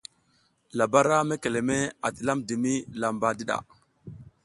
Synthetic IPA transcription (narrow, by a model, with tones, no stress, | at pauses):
la˨ba˦ɾa˦me˦ke˨le˨me˦a˨ti˨la˦mdi˨mi˦la˨mba˨di˦ɗa̰˨